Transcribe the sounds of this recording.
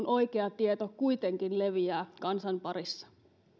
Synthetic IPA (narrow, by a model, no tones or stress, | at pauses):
nʔo̞jkeɑt̪iet̪okujt̪e̞ŋkinle̞ʋiæːkɑnsɑnpɑɾisːɑ̥